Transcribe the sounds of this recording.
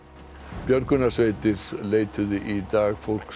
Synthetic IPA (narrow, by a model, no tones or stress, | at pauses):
pjœɾkʏnasveːjt̪ɪɾ̥leːjt̪ʰʏðʏʔit̪aːɣfowl̥k